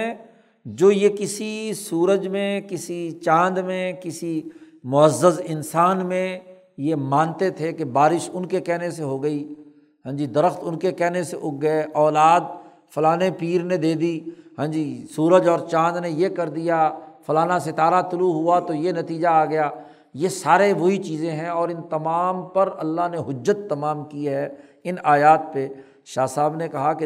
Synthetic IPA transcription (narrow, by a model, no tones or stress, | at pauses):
d͡ʒoːjekɪsisuːɾəd͡ʒmẽkɪsit͡ʃãːnd̪mẽkɪsimʊəzːəzɪnsaːnmẽ | jemãːnt̪et̪ʰekebaːɾɪʃʊnkekɛːneseɦoːɡəiː | ɦə̃ːd͡ʒiːd̪əɾəxt̪ʊnkekɛːneseʔʊk̚ɡəeʔɔːlaːd̪̚ | fʊlaːnepiːɾned̪eːd̪iːɦɛ̃ːd͡ʒiːsuːɾəd͡ʒɔːɾt͡ʃãːd͡ʒ̪nejekɐɾd̪ijafɐlaːnasɪt̪aːɾat̪ʊluɦʊat̪ojenɐt̪iːd͡ʒaaːɡɐjaː | jesaːɾeʋoit͡ʃiːzẽɦɛ̃ɔːɾɪnt̪ɐmaːmpɐɾɐlːaɦneɦʊd͡ʒːət̪ːɐmaːmkiɦɛː | ɪnaːjaːt̪̚pe | ʃaːsaːbnekɐɦake